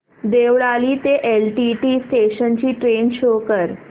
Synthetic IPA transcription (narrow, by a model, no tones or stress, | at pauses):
d̪eʋɭaliːt̪eʔelʈiʈiːsʈeɕənt͡ɕiːʈɾenɕokəɾ